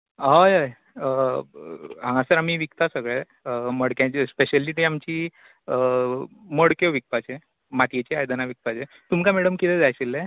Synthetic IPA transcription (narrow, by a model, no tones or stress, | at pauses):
ɦəjɦəj | ə | ɦãŋɡãsəɾam̤iːʋikt̪asəɡɭe | əməɽkjãt͡ɕespeɕəlːiʈ̪iamt͡ɕiː | ə | məɽkeʋik̚pat͡ɕe | mat̪jet͡ɕeajd̪ənaʋik̚t̪at͡ɕe | t̪umkameɽəmkit̪ʰɛd͡zajt͡ɕilːe